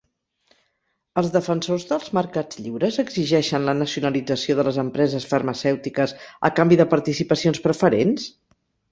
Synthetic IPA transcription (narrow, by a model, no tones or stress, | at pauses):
əlˠzðəfənsozðəlˠzməɾkad͡zʎiwɾəzəɡziʒɛʃənlənəsiunəlid͡zəsioðələzəmpɾɛzəsfərməsɛwt̪ikəzə̰kambiðəpəɾt̪isipəsionspɾəfəɾens